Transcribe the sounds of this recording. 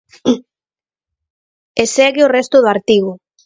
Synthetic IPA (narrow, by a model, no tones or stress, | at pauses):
eseɣɪorɛst̪ʊðʊaɾt̪iɣʊ